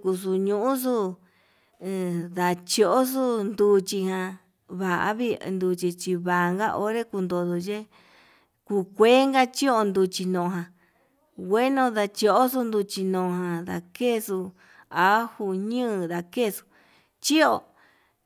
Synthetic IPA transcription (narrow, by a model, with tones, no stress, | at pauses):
ku˧su˧ɲũ˧˦ʔũ˦s̬u˦˨ | ða˨t͡ʃo˧ʔo˦s̬u˦nd̪u˧t͡ʃi˧hã˧ | βa˨ʔa̰˧˦βi˦˧nd̪u˧t͡ʃi˧t͡ʃi˧βa˨˧ŋɡa˦ʔo˧ɾe˦ku˧nd̪o˧ðo˧t͡ʃe˦ | ku˧˨kʷe˦ŋɡa˦t͡ʃi˦o˧nd̪u˧t͡ʃi˧nõ˨˧ɦã˧ | ɡʷe˦nõ˧ða˧t͡ʃi˧o˧ʔo˦s̬u˧nd̪u˧t͡ʃi˧nõ˨˧hã˧ða̰˨ke˦˨su˧ | a˨˦hu˧ɲɨ̃˦˧ða˧ke˦˨su̥˧ | t͡ʃi˦o˧˨